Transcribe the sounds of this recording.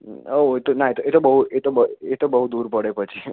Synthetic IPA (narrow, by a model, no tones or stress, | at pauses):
oet̪onaet̪oet̪obəɦuet̪obəet̪obəɦud̪uɾpəɽepət͡ʃʰi